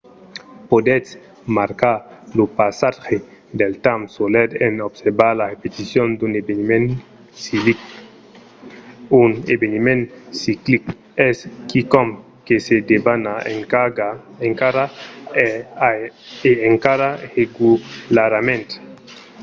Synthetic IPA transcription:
pod̪et͡s | maɾkaɾlopasaxe | d̪elt̪amsoled̪enobseɾbaɾlarepet̪isjond̪unebenimen | sivik | unḛbenimẽnsiklik | eskikɔm | kesed̪ebana | eŋkaɾa | eeŋkaɾaʁeɡulaɾamẽnt̪

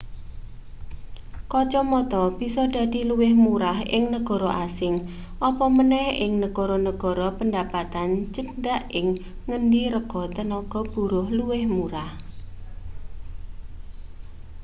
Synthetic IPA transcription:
kɔt͡ʃɔmɔt̪ɔb̥isɔdä̤d̪̥i̤luwɪhmuɾaɦʔɪ̰ŋnəɡ̥ɔ̤ɾɔʔasɪŋ | ʔɔpɔmənɛhɪŋnəɡ̥ɔ̤ɾɔnəɡ̥ɔ̤ɾɔpəndapat̪ant͡ʃənɖaʔɪŋː | ənɖiɾəɡ̥ɔt̪ənɔɡ̥ɔ̤b̥ṳɾʊhluwɪhmuɾah

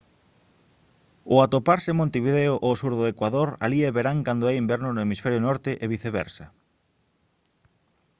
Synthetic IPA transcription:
ʊat̪opaɾsɪmõnt̪eβiðeʊʔosuɾðoekwaðoɾa̰lieβeɾaŋkand̪ʊɛimbɛɾnʊnʊemisfɛɾjonɔɾt̪ɪʔeβ̞iθeβɛ̰ɾsɐ

